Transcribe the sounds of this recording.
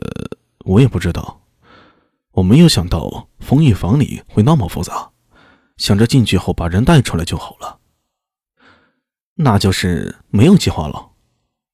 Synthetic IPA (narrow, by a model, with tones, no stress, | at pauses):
ə̰˧ | wɔ˧˥jɛ˨˩pu˥˩ʈ͡ʂɻ̩˥t̪ɑ̰˥˩ʊ | wɔ˨˩me˧˥ɪjo˧˥ʊɕjɑ˨˩ŋt̪ɑ̰˥˩ʊ | fʊ˧˥ŋy˥˩fɑ˧˥ŋlḭ˨˩xwɪnɑ˥ʊmɑ˨˩fṵ˥t͡sa˧˥ | ɕjɑ˨˩ŋʈ͡ʂɤ˥˧t͡ɕi˥˧nt͡ɕy˥˧xo˥˩ʊpa˨˩ɻə˧˥nt̪a˥˧ɪʈ͡ʂʰu˥la˧˥t͡ɕjo˥˩ʊxɑ˨˩ʊlə˦ | na˥˩t͡ɕjo˥˧ʊʂɻ̩˥˩ | me˧˥ɪjo˨˩ʊt͡ɕi˥˧xwa̰˥˩lə̰˩